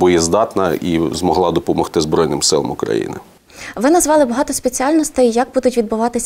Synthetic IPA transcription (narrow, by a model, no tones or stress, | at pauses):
bʊjɛzd̪ɑt̪nɐizmɔɦlˠɑd̪ɔpɔmɔxt̪ɪzbɾɔjnɪmsɪlˠɐ̰mʊkɾɐ̰jḭnɪ̰ | ʋɪnɐzʋɑlˠɪbɐɦɑt̪ɔspʲet͡sʲiɑlʲnɔst̪ɛjjɐɡ̚bud̪ʊtʲʋʲid̪̚bʊʋɑt̪ɪsʲ